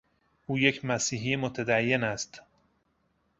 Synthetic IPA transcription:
ʔuːje̞cʰmæsiːɦiemot̪ʰæd̪æjːe̞næst̪

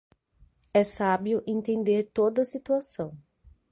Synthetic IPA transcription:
ɛsabiʊʔẽnt̪ẽnd̪eɾt̪od̪ɐsit̪uasɐ̃w̃

